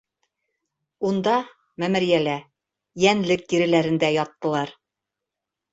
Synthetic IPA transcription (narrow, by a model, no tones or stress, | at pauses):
und̪ɑ | mæmɘ̆ɾjælæ | jænlɘk̚t̪iɾɘ̆læɾɘ̆nd̪æjɑt̪ːɤ̆lˠɑɾ